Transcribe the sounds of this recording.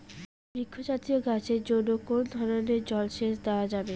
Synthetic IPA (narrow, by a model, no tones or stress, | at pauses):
bɾikʰːod͡ʑat̪ioɡat͡ɕʰeɾd͡ʑonokond̪ʱɔɾoneɾd͡ʑɔlʃeʃd̪eoad͡ʑabe